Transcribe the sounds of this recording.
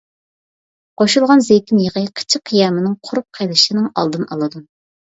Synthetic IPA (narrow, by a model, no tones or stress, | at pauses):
qʰoʃulˠʁɑnzekʲinjeʁəqʰə̥t͡ʃʰɪqʰːijɑːmɪnɪŋqʰʊɾup̚qʰejlˠɨʃɪnɨŋɑ̰lˠd̪ɨnɑlˠɨd̪u